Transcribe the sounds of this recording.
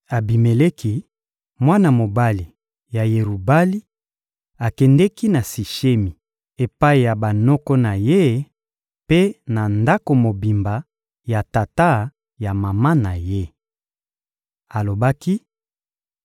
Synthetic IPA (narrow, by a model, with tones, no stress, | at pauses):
a˨bi˨me˨le˦kʰi˦ | mwa˦na˨mo˨ba˦li˨ | ja˨je˨ʁu˨ba˦li˦ | a˨kɛ˨ndɛ˦ki˦na˨si˨ʃe˦mi˨ | e˨pa˦i˨ja˨ba˨nɔ˦kɔ˦na˨je˦ | pe˦na˨nda˦ko˨mo˨bi˨mba˨ | ja˨ta˨ta˦ | ja˨ma˨ma˦na˨je˦ | a˨lo˨ba˦ki˦